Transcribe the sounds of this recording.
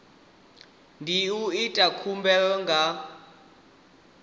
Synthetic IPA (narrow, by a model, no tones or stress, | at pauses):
ndʱiuitʼakʰumbɛɔŋɡʱa